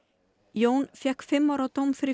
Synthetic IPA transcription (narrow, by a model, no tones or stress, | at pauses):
joːwnfjɛhkfɪmːɔwɾawt̪owmfɪɾi